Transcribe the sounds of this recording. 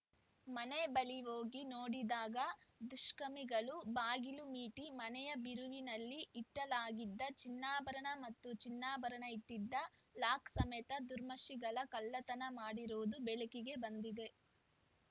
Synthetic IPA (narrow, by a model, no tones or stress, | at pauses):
mɐnebɐliɦoːɡinoːɽid̪aːɡɐd̪uʃkɐmiɡɐɭubaːɡilumiːʈimɐnɛjɐbiɾuʋinɐlːiːʈːɐlaːɡid̪ːɐt͡ʃinːaːbɐɾɐɳɐmɐt̪ːut͡ʃinːaːbɐɾɐɳɐiʈːid̪ːɐlaːksɐmɛt̪ɐd̪uɾmɐʃiɡɐɭɐkɐlːɐt̪ɐnɐmaːɽiɾoːd̪ubeɭikiɡe̞bɐnd̪id̪e̞